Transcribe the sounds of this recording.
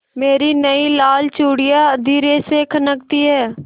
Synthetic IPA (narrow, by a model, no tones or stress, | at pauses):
meːɾinəilaːlt͡ʃuːɽɪjad̪iːɾesekʰənəkt̪iɦɛː